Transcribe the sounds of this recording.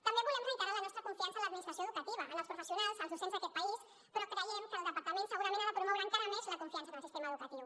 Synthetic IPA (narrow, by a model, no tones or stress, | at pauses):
t̪əmbeβulɛmit̪əɾalənɔst̪ɾəkuɱfiansələd̪minist̪ɾəsjoðukət̪iβəːləlspɾufəsiunalˠzəlˠzusenzðəkɛt̪̚pɐis | pɾɔkɾəjɛmkəːlˠd̪əpɐɾt̪əmensəɣuɾəmẽnβapɾumɔwɾəːŋkaɾəmezləkuɱfiansəðəlˠsist̪eməðukət̪iw